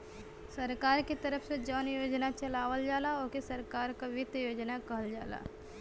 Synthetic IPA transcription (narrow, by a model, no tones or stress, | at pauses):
sɐɾkaːɾket̪ɐɾəpʰsed͡ʒɔːnjoːd͡ʒnat͡ʃɐlaːʋəld͡ʒaːlaoːkesɐɾkaːɾkaʋɪd̪joːd͡ʒnakɐɦəld͡ʒa̰ːla̰ː